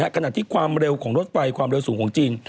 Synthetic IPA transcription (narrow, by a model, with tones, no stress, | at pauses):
a˦˥ʔkʰa˧naː˨˩t̪ʰiː˥˩kʰwaː˧mɾe˧wkʰɔː˩˦ŋɾo˦˥t̪̚fa˧jkʰwaː˧mɾe˧wsuː˩˦ŋkʰːŋt͡ɕiː˧n